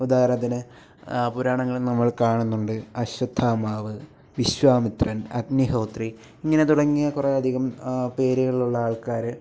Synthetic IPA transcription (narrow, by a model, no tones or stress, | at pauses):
ud̪aːɾɐd̪inɨ | puɾaːɳɐŋːɐɭnɐmːɐɭkaːɳunːuɳɖɨɐɕɐd̪ʱːaːmaːʋɨ | ʋiɕʋaːmit̪rɐnɐɡniɦo̞ːt̪ri | iŋːɐne̞t̪uɽɐŋːijɐkureɐd̪ʱiɣɐmpe̞ːɾejɐɭiɭuɭːɐaːɭkaːɾɨ